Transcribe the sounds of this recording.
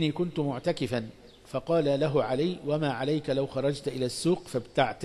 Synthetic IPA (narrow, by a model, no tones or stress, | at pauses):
niːkʊnt̪ʊmʊʕt̪akɪfan | fɑqɑːlalaɦʊʕalajwamaːʕalajkalawxɑɾˤɑd͡ʒt̪ʔɪlaːsːuːqfabt̪aʕt̪